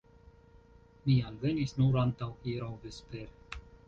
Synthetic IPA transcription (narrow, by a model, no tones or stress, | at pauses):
mialvenisnuɾant̪awiɾawvespeɾe